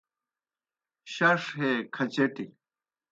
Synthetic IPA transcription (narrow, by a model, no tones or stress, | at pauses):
ɕɐʂɦeːkʰɐt͡ɕeʈi